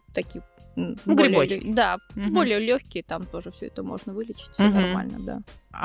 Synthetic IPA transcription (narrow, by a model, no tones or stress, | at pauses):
t̪ɐkʲij | nbɡɾʲɪlʲot͡ɕd̪abo̞lʲɪjəlʲoxʲkʲɪjət̪amt̪o̞ʐɨfsʲɵ̰ɛt̪əmo̞̰ʐnəvɨlʲɪt͡ɕɪ̥t̚ʲfʲsʲonɐrma̰lʲnə̰d̪a̰